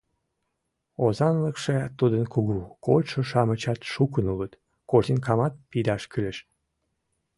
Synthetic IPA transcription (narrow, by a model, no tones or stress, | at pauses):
ozɑnləkʃet̪ud̪ənkuɣukolʲʃoʃɑmət͡ɕɑt̪ʃukənulət̪ | koʒt̪inkɑmɑt̪̚pid̪ɑʃkyleʃ